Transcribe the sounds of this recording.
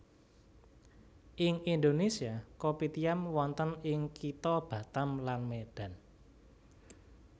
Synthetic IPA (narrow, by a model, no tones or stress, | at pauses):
ʔɪŋind̪onesiakopit̪iamwɔnt̪ənɪŋkʰit̪ɔb̥ä̤t̪amlanmed̥ä̤n